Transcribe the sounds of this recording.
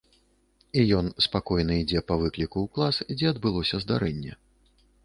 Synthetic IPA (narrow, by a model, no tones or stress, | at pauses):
ijɔnspakɔjnɐid͡zʲɛpɐvɨklʲikuːklˠasd͡zʲɛɐd̪̚bɨlˠɔsʲɐzd̪aɾɛnʲːɛ̰